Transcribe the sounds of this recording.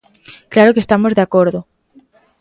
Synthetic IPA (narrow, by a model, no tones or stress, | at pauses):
klaɾokest̪amozðeakoɾðo